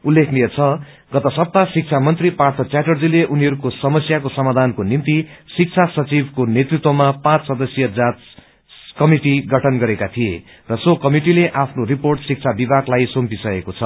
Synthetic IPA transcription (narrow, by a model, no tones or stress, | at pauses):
ulːekʰnijʌt͡sʰʌ | ɡ̥ʌt̪ʌsʌp̚t̪asik̚t͡sʰamʌnt̪ripart̪ʰʌt͡sjaʈʌrd͡zileʔuniɦʌɾukosʌmʌsjakosʌmad̪ʱankonint̪isik̚t͡sʰasʌt͡sibkonet̪rit̪wʌmapãt͡ssʌd̪ʌsjʌd͡zat | kʌmiʈiɡʌʈʰʌnɡʌɾekat̪ʰije | rʌsokʌmiʈileʔapʰnoriporʈsik̚t͡sʰabibʱaklajsompisʌekot͡sʰʌ